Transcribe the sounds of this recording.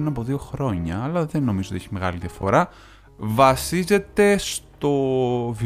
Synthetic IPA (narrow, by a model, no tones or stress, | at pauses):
inɐpo̞ðio̞xɾo̞ɲɐːlɐðe̞nːo̞mizotiçime̞ɣɐ̰liðjɐfo̞̰ɾɐ | vɐsize̞t̪e̞st̪o̞vi